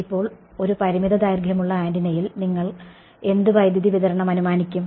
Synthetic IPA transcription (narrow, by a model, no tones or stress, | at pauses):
ipːo̞ːɭ | o̞ɾupɐɾimiðɐd̪aːjrɡʱjɐmuɭːɐaːndinɐjilniŋːɐɭ | e̞nd̪uʋɐjd̪ʱjɐðiʋiðɐɾɐɳɐmɐnumaːnikʲːum